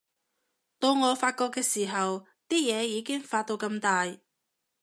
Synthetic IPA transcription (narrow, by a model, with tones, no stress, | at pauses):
t̪o˧wŋɔː˨˧faː˧t̚kɔː˧kːɛː˧siː˨˩ɦɐ˨w | t̪iː˥jɛː˨˧jiː˨˧kɪ˥ŋfaː˧t̚t̪o˧wkɐ˧mt̪aː˨˧j